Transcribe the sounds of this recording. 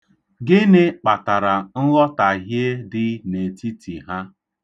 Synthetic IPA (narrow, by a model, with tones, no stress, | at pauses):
ɡɪ˦nɪ˦k͡pa˨ta˨ɾa˨n̩˦lɔ˦ta˨ɦje˦dɪ˦ne˨ti˦ti˨ɦa˦